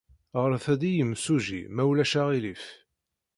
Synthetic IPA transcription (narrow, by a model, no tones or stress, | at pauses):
ʁəɾθæd̪ijəmsuʒḭmæwlæʃaʁilif